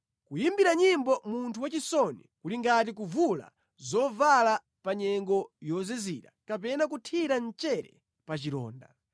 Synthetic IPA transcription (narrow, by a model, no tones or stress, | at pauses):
kujimbiɾaɲimbɔmuntʰuwat͡ʃisɔnḭkuliŋɡat̬ik̬uvula̰ | zɔvala | paɲɛŋɡɔjɔzɛziɾakapɛnak̬utʰiɾant͡ʃɛɾɛ̰ | pat͡ʃiɾɔ̰ːnda̰